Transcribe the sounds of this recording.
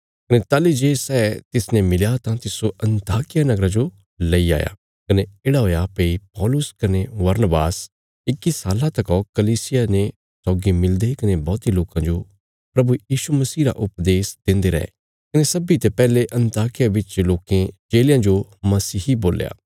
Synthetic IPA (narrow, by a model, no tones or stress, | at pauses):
kɐnet̪aːlid͡ʒeːsɛːt̪ɪsnẽmɪljat̪ãt̪ɪsoɐ̃nt̪aːkɪjanɐɡɾad͡ʒo | lɐia̰ːja̰ | kɐneeːɽaɦoːjapeːipɔːlʊskɐneʋɐɾnəbaːs | ɪkisaːlãt̪ɐkɔkɐliːsɪjanẽ | sɔːɡimɪld̪ekɐnebɔːt̪iloːkãd͡ʒo | pɾɐbujiːʃumɐsiːɾa̰ʔʊpd̪eːsd̪ɪ̃nd̪eɾɐ̰ɦḛ | kɐnesɐbit̪epɛːleʔɐ̃nt̪aːkɪjabɪt͡ʃloːkẽd͡ʒeːljãd͡ʒomɐsiːɦiboːlja̰ː